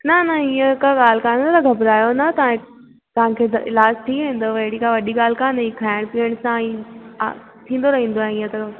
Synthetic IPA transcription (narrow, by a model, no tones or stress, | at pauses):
nɐnɐiːə̃kaɠaːl̤kaːnot̪ɐɡʱɐbɾaːjonɐt̪ɐã | t̪ɐʋ̤ãkʰeːd̪ʔɪ̰laːd͡ʑt̪ʰiʋẽːn̆d̪oʋɐɦɪɽikãʋɐɗiɡaːl̤kaːnəikʰaːɪɽ̃piːəɽ̃sã̰ː | t̪ʰĩːn̆d̪oɾɐɦĩːnd̪oaːɦẽiːə̃t̪ɐ